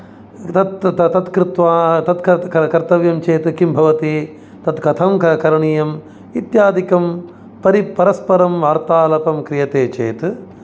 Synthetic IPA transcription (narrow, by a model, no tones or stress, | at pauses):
t̪ɐt̪ɐt̪ɐt̪kɾɪt̪ʋaːt̪ɐt̪kɐkɐkɐɾt̪ɐʋjɐmt͡ʃeːt̪kimbʱɐʋɐt̪i | t̪ɐt̪kɐt̪ʰɐmkɐkɐɾɐɳijɐm | it̪jaːd̪ikɐm | pɐɾipɐɾɐspɐɾɐmʋaːɾt̪aːlɐpɐmkɾijɐt̪eːt͡ʃeːt̪